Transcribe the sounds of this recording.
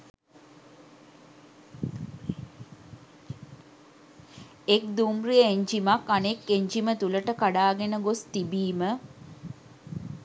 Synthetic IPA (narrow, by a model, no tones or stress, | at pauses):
ek̚d̪umriəeɲd͡ʒimakanekːeɲd͡ʒimət̪uləʈəkaɖaːɡenəɡost̪ibiːmə